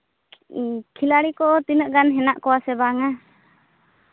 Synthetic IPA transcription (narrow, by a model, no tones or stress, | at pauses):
kʰilaɽikɔʔɔt̪inəʔɡanɦɛnaʔkɔwasɛbaŋa